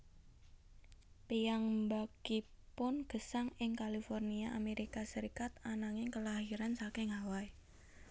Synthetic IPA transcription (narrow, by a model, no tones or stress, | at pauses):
pijaŋmbakipʊnɡ̥ə̤saŋɪŋkalifɔrniaʔameɾikasəɾikat̪anaŋɪŋkəlahiɾansakɪŋɦawai